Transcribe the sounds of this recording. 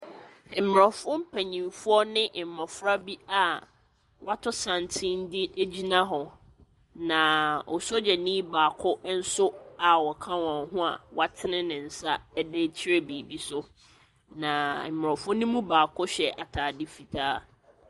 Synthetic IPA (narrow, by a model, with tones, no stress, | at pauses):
m̩˨m˨ɾɔ˨fʊ̃˦m̩˦pʰæ˨ɲĩ˨mfʊ˦ɔ˦nɪ̃˦ʔm̩˨ɔ˨fɾa˦bi˦a˨ | wa˦tʰʊ˦sã˨n˨tʰĩ˦n̩˦dɪ˦e˦d͡ʑi˦nã˦ɦɔ˨ | nã˨ɔ̰˨so˦d͡ʑɛ˨nĩ˦baː˨kʰʊ˦n̩˦sʊ˦a˨wɔ˨kʰã˦wɔ̃˨ɦʊ̃˦a˨wa˦tʰɪ˦nɪ̃˦nɪ̃˨n̩˨sa˦ɛ˦de˦t͡ɕʰi˦ɾe˦biː˨bi˦sʊ˦ | nã˨m̩˨m˨ɾɔ˨fʊ̃˦nĩ˦mũ˦baː˨kʰʊ˦ɕᶣɛ˨ʔa˨tʰaː˨dɪ˦fi˨tʰaː˦